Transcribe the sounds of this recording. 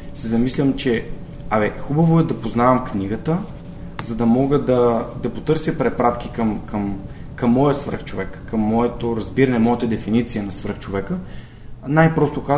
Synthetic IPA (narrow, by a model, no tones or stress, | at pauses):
sɛzɐmislʲəmt͡ʃɛ | ɐvɛxubɐvoɛd̪ɐpoznavɐmkniɡət̪ə | zɐd̪ɐmɔɡəd̪ɐd̪ɐpot̪ɤɾsʲjəpɾɛpɾat̪kikɐmkʰɐm | kɐmːɔjəsvə̰rxt͡ʃovɛkːɐmːɔɛt̪oɾɐzbiɾɐnɛmɔjət̪əd̪ɛfinit̪sijənɐsvəɾxt͡ʃovɛkə | najpɾɔst̪oka